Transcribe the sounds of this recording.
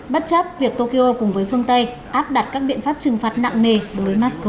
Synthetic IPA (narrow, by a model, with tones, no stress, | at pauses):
ɓə˦˥t̚t͡ɕə˦˥p̚vi˨˩ək̚t̪o˧ki˧ʔo˧kʊ˨˩ŋ͡mvəː˨˦jfɨ˧əŋt̪ə˧j | ʔaː˦˥p̚ɗa˨˩t̚kaː˦˥k̚ɓḭ˧˨ənfaː˦˥p̚t͡ɕɨ˨˩ŋfaː˨˩t̚na̰˧˨ŋŋe˨˩ɗo˨˦vəː˨˦jmaː˦˥sə˧